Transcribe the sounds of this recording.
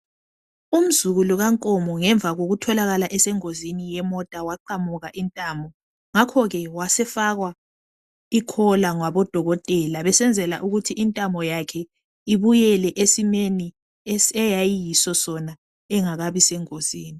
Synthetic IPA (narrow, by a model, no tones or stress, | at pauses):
um̩zuɣuluɣaŋkʼɔmɔŋɛɱb̪vʱaɣoɣutʰɔlaɣalaʔɛsɛŋozinijɛmɔtʼawaǃamuɣaʔintʼaːmbʱɔ | ŋakʰɔɣɛwasɛfaɣwa | ikʰɔlaŋwaβɔd̥ʱɔɣɔtʼɛlaβɛsɛnd͡zʱɛla̰ʔuɣutʰiʔintʼambʱɔjakʰɛ | iβujɛlɛʔesineni | ɛjajijisɔsɔna | ɛŋaɣaβisɛŋoz̥iːni